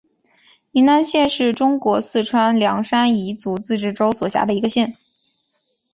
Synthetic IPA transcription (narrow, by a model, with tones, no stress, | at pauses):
i˧˥na˥˧nɕjɛ˥˧nʂɻ̩˥˩ʈ͡ʂʊ˥ŋkwɔ˧˥sɹ̩˥˩ʈ͡ʂʰwa˥nljɑ˧˥ŋʂa˥ni˧˥t͡su˧˥t͡sɹ̩˥˧ʈ͡ʂɻ̩˥˩ʈ͡ʂo˥ʊswɔ˨˩ɕja̰˧˥d̪ə˧i˧˥ɡə˧ɕjɛ˥˩n